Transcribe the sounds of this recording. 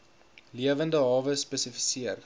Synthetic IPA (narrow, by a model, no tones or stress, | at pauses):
liəvəndəɦɑːvəspəsəfisiər